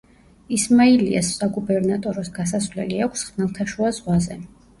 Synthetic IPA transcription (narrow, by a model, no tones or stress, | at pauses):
ismailḭa̰sːaɡubɛɾnat̪ʼɔɾɔsɡasasvlɛ̰liakʷʰsχnalˠt̪ʰaʃuazʁwazɛ